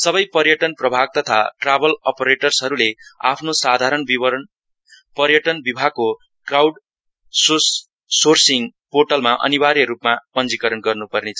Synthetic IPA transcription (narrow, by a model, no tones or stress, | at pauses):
sʌbʌjpʌrjʌʈʌnprʌbʱaɡ̚t̪ʌt̪ʰa̰ʈrabʌlʌpʌɾeʈʌrsɦʌɾulea̰pʰnosad̪ʱaɾʌnbiʌɾn | pʌrjʌʈʌnbibʱaɡ̚kːo | krawɖ | sos | sorsiŋporʈʌlmaʔʌ̰nibaɾjʌɾupmapʌnd͡zikʌɾʌnɡʌrnupʌrnet͡sʰʌ